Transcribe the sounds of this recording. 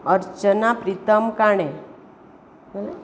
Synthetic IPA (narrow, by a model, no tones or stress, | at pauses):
əɾt͡ʃənapɾit̪əmkaɳ̃ẽ